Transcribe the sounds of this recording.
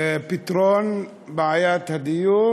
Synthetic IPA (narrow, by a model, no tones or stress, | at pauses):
pit̪ɾɔn | bajat̪adijo